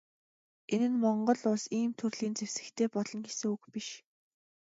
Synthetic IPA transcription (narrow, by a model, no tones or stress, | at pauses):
enɘ̆nmɔɴɢɞ̆ɮʊɮsiːmt̪ʰɵrɮiːnt͡sewsɘ̆kt̪ʰeːpɔɮɞ̆nɡesɘ̆ŋuxpiʃ